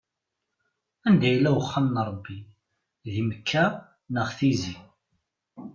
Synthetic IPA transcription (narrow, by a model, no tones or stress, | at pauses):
ænd̪æjlːæwəχːəmnəɾˤəbːi | ðiməkʰːæ | nəʁθizi